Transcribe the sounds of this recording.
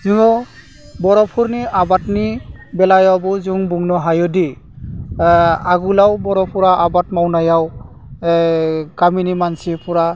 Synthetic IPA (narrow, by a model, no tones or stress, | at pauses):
zuŋɔ | bɔɾɔpʰuɾniʔabatnibɛlajɔbɔzuŋbuŋnɔɦajɔdi | aɡulawbɔɾɔpʰuɾaʔabatmawnajaw | kaminimansipɔɹa